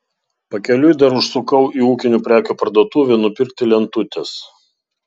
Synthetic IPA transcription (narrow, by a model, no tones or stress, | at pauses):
pɐkʲɛlʲʊjd̪ɐɾʊʃsʊkɐʊʔiːuːkʲɪnʲuːpʲɾʲæːkʲuːpɐɾd̪uɔt̪uːʋʲɛnʊpʲɪɾʲkt̪ʲɪlʲɛnt̪ʊt̪ʲɛs